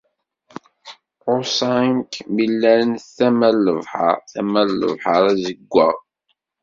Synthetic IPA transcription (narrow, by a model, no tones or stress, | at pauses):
osˤɑŋkmilːæɾənθæmælːəvħə̰ɾθæmælːə̰vħəɾˤæzəɡʷːə̰ʁ